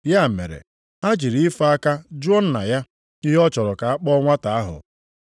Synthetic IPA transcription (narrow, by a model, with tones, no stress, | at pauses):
ja˦˨mḛ˨ɾḛ˨ | a˦d͡ʒi˨ɾi˦i˦fa˦a˦ka˦d͡ʒɔ˦n̩˦na̰˨ja˦ | ɪ˦ɦɔ˦t͡ʃɔ˨ɾɔ˨ka˨a˦k͡pɔ˦ɔ˦ŋʷa˦ta˨a˦ɦʊ̰˨